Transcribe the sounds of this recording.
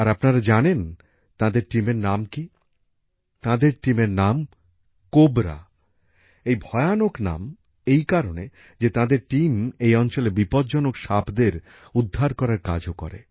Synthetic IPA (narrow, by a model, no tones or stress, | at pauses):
aɾapnaɾad͡ʑanen | t̪ãd̪eɾʈimeɾnamki | t̪ãd̪eɾʈimeɾnam | kobɾa̰ | ejbʱɔeanokna̰m | ejkaɾone | d͡ʑet̪ãd̪eɾʈimejɔnt͡ɕolebipɔd̪d͡ʑɔnokʃabʰd̪eɾ | ud̪ʱːaɾkɔɾaɾka̰d͡ʑʱokɔ̰ɾḛ